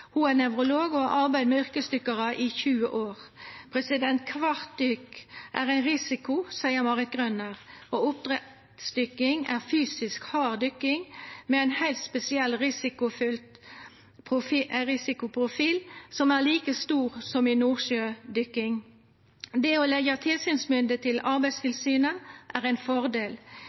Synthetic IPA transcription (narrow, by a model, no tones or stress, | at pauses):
huænɛʋʁʊloːɡɔɑʔɑʁbæɪd̪mɛʏʁkəsd̪ʏkəʁəʔiçʉːə̰ʔoːʁpʰʁɛsɪd̪ɛnt̪kʰʋɑʁt̪̚d̪ʏkʔæːʁæɪnʁɪsɪkʊsæɪəʁmɑːʁɪt̪̚ɡʁœnəʁoːʊp̚t̪ʁɛ | sd̪ʏkɪŋæːʁfyːsɪskhɑːʁd̪ʏkɪŋmeæɪnhæɪlt̪spɛsɪɛlːʁɪsɪkʊfʏlt̪ | pʰʊfʁɪsɪkʊpʰʁʊfiːlsɔmæːʁliːkəst̪uːʁsɔminuːʁʃøːd̪ʏkɪŋ | d̪eoːlɛɡət̪ʰɪlsyːnsmʏnd̪ət̪ʰɪlɑʁbæɪst̪ʰɪlsyːnəʔæːʁæɪnfɔʁd̪eːl